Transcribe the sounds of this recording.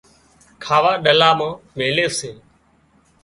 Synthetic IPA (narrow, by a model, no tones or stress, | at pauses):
kʰaːʋaːɗəlaːmãːʋeːleːseː